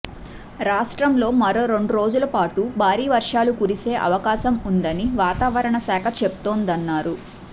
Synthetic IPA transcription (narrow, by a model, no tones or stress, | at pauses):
ɾaːʂʈɾɐmlo̞ːmɐɾo̞ːɾe̞ɳɖuɾo̞ːd͡ʒulɐpaːʈubʱaːɾiːʋɐɾʂaːlukuɾise̞ːʔɐ̰ʋɐkaːʃɐmund̪ɐniʋaːt̪aːʋɐɾɐɳɐsɛːkʰɐt͡ʃebut̪oːnd̪ɐnːaːɾu